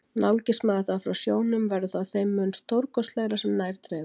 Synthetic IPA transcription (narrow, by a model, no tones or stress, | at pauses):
nawlcɪsmaːaθafɾawsjoːwnʏmvɛɾðʏθaðθejmːʏnst̪ʰowɾkɔst̪laːɣɾasɛmnaːjɾ̥t̪ʰɾɛː